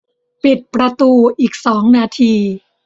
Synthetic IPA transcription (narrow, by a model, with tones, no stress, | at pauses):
pi˨˩t̪̚pɾa˧t̪uː˧ʔiː˨˩k̚sɔː˩˦ŋnaː˧t̪ʰiː˧